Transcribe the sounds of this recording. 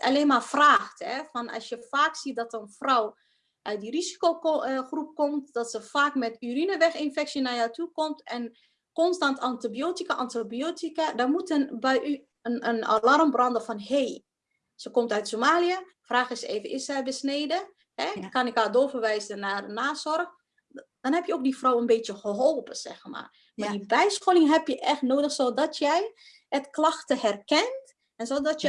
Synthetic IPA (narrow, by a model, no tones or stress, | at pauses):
a̰leːnmafraːxthɛfɔnɔ̰sjəfaːksit̚dɔtəənfrɔw | ʔœɥt̚dirizi̥koːxrup̚komtd̥ɔtsəfaːkmɛtyrinəʋɛxɪnfɛksjənajatukɔmtɛn | kɔnstantʰɑntibiotikaʔɑntibijotikadɔmutənbɛjʔy | əəna̰larmbrɔndəfɔnheː | səkɔmtœɥtsomaːliə | fraːxɪsḛːvənʔɪsɛjbəsneːdə | hɛkanɪkaːdofərʋɛjzənanaːsɔrx | d̥ɔnhɛpjəok̚difrɔwənbeːtjəxəɦolˠpəsɛ̰xma̰r | madibɛjsxolɪŋɦɛpjəʔɛxtnoːdəxsodɔtʰjɛj | ətklaxtəhɛrkɛnt | ɛnsodɔtj